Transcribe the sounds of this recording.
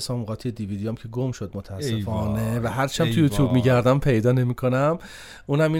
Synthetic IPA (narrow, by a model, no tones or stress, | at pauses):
sɒːmʁɒːt̪ʰijed̪iviːd̪ijomcʲʰe̞ɡo̞mʃod̪mot̪ʰæːsːefɒːne̞væɦæɾt͡ʃʰæmt̪ʰujut̪ʰjuːbmiːɟæɾd̪æmpʰe̞jd̪ɒːne̞mikʰo̞næm | ʔuːnæmiː